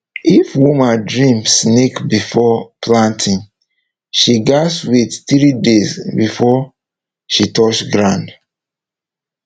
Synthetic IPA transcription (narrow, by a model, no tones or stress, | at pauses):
ifwumãndɹĩmsnekbifɔplãntʰĩn | ʃiɡaswetθɹidesbifɔ | ʃitɔt͡ʃɡɹãnd